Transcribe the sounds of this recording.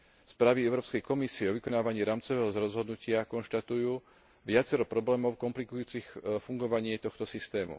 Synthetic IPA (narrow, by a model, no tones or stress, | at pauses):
spɾaːʋiɛʊɾɔːpskɛjkɔmisiɛɔʋikɔnaːʋaɲiːɾaːmt͡sɔʋɛːɦɔzɾɔzɦɔd̪nucɪakɔnʃt̪at̪ujuː | ʋɪat͡sɛɾɔpɾɔblɛːmɔʊkɔmplikujuːt͡sixfuŋɡɔʋaɲɪɛt̪ɔxt̪ɔsist̪ɛːmṵ